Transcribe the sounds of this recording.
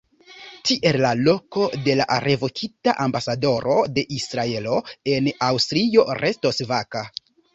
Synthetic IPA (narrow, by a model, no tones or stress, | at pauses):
tiʔe̞lːalo̞ko̞de̞la̰ɾʔe̞vo̞kʰitaʔambasado̞ɾo̞de̞ʔisɾae̞lo̞e̞nawstɾio̞ɾʔe̞sto̞svaka